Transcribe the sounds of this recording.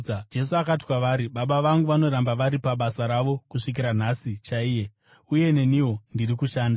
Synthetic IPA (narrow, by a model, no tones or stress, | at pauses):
d͡ʒe̞suakati̥kwaʋaɾiɓaɓaʋaŋɡuʋano̞ɾambaʋaɾipaɓasaɾaʋo̞kuʂik̬iɾan̤asit͡ʃaiːje̞ | uje̞ne̞niwo̞ndirikuʃaːnda